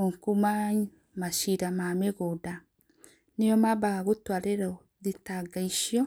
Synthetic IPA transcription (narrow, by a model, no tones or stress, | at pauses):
oŋkumaɲ | maʃiɾamameɣoda | nejomabaɣaɣutwaːɾeɾao | ðitaɡaiʃjɔ